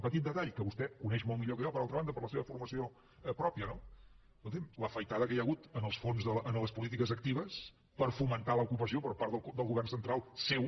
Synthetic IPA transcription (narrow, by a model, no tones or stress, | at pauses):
pət̪it̪̚d̪ət̪aʎkəβust̪ɛkunɛʃmɔltmiʎokəʒɔpəɾalt̪ɾəβand̪əpəɾləseβəfurməsio | pɾɔpjəno | ut̪imləfəjt̪aðəkəjəɣut̪ənəlˠsfonzðəʔənləspulit̪ikəzək̚t̪iβ̞əs | pəɾfumənt̪aləukupəsiopəɾpaɾt̪əlˠd̪əlˠɣuβɛrnsənt̪ɾalˠsew